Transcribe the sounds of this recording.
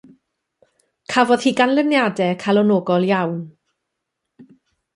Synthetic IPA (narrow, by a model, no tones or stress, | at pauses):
kʰavɔðhiːɡanlˠɪmnjadɛkʰalˠɔnɔːɡɔlˠjawn